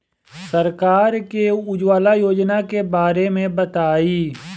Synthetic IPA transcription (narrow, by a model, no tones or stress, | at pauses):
səɾkaːɾkeʊd͡ʒwaːlajoːd͡ʒnakebaːɾemẽbət̪aːiː